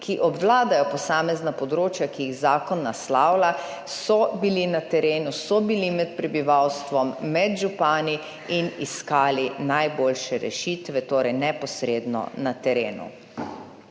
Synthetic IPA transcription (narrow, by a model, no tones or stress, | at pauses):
kʰiʔɔbʋlaːd̪ajɔpɔsaːmɛznapɔd̪ɾoːt͡ʃjakijiɣzaːkɔnːaslaːwla | sɔbilinat̪ɛɾeːnusɔbilimɛt̪pɾɛbiʋawst̪ʋɔmːɛd̪ʒupaːni | iniskaːlinajboːlʃɛɾɛ̰ʃiːt̪ʋɛt̪oːɾɛjnɛpɔsɾeːd̪nɔ̰nat̪ɛɾeːnṵ